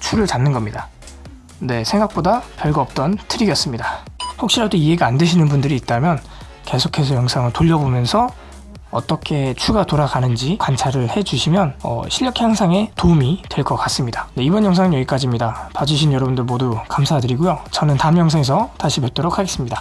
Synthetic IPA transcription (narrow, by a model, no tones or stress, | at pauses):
t͡ɕʰuɾɯɭtanːɯnɡʌmɲida | ne̞sʰe̞ŋɡak̚p͈odapjʌɭɡaʌp̚t͈ʌntʰɯɾiɡjʌs͈ɯmɲidahokɕ͈iɾadoiɦe̞ɡaandɯɕʰinɯnbundɯɾiːt̚t͈amjʌn | ke̞sʰokʰe̞s̬ʰʌjʌŋsʰaŋɯɭtoʎːʌbomjʌnsʰʌ | ʌt͈ʌkʰe̞t͡ɕʰuɡatoɾaɡanɯnd͡ʑikwant͡ɕʰaɾɯɭhe̞d͡ʑuɕʰimjʌnʌ̰ɕʰiʎːjʌkʰjaŋsʰaŋe̞toumitwe̞ɭk͈ʌk͈as͈ɯmɲidane̞ibʌnjʌŋsʰaŋɯnjʌɡik͈ad͡ʑimɲidapad͡ʑɯɕʰinjʌɾʌbundɯɭmodukamsʰadɯɾiɡujot͡ɕʌnɯntamjʌŋsʰaŋesʰʌtaɕʰipet͈oɾokʰaɡe̞s͈ɯmɲida